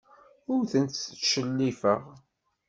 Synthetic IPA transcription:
ʊɾθənt̪ʃəlːifəʁ

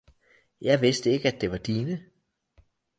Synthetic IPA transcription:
jɑ̈ɪʋe̝sd̥əeɡ̥əæd̥e̝ʋɑ̈d̥iːnə

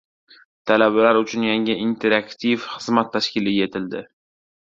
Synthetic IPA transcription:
t̪ʰalabalaɾʊt͡ʃʰʊnjaŋɪʔɪnt̪ʰe̞ɾakt̪ʰifχɨzmat̪ʰːaʃkʲɪlɪɡʲe̞t̪ʰɪld̪ɪ

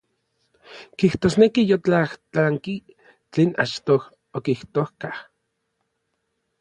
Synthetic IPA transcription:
kiht̪oːsnekijot͡ɬaht͡ɬaŋki | t͡ɬeːna̰t͡ʃt̪oh | okiht̪ohkah

